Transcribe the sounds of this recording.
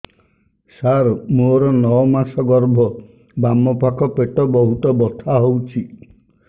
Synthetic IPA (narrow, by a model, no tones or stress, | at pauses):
saɾmoɾɔnɔɔmasɔɡɔɾbʱɔ | bamɔpakʰɔpeʈɔbɔɦut̪ɔbɔt̪ʰaɦowt͡ʃʰi